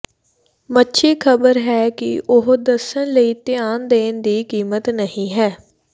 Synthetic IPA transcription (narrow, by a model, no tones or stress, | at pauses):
mətːʃʰiːkʰəbəɾɦɛːkɪ̰ʔʊɦd̪əsənləiːt̪ɪaːnd̪eːnd̪iːkiːmət̪nəhĩːɦɛː